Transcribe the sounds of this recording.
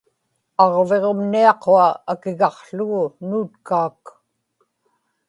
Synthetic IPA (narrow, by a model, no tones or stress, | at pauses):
ɑʁve̞ʁo̞mniɑqoaakɪɣɑqɬʊɣʊnuːt̪kaːk